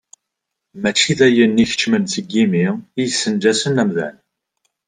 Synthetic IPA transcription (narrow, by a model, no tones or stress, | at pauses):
mæt͡ʃːiðæjənːiçə̥t͡ʃːmənθəɡːimiijsːənd͡ʒæsənæmðæ̰n